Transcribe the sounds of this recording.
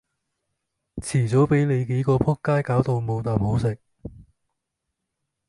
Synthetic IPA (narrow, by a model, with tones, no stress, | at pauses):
t͡sʰiː˨˩t͡so˨˥wpe˨˥jle˨˧jke˨˧˥jkɔː˧pʰʊ˥kːaː˥jkaː˨˥wt̪o˧wmo˨˧wt̪aː˨˩mho˨˥wsɪ˨k̚